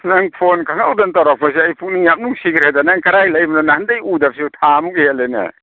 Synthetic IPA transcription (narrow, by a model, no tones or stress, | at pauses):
naŋpʰonkʰaŋawdantawɾak̚pʰas̬iajpʰuk̚niŋjap̚nuksikʰɾhajdanaŋkaɾajlajbanɔnahandajudap̚siwtʰamukihelejna̰